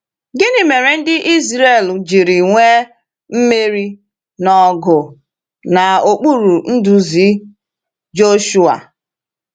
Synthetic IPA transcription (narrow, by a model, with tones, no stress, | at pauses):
ɡɪ˦nɪ˨me˨ɾe˨n̩˦dɪ˦ʔi˦zɾe˦˨ld͡ʒi˨ɾi˨ŋʷe˦ | m̩˦me˦ɾi˦ | nɔ˨ɡʊ˨ | na˨o˨k͡pu˦ɾu˨n̩˦du˦zi˨˦ | d͡ʒo˦ʃu˦a̰˨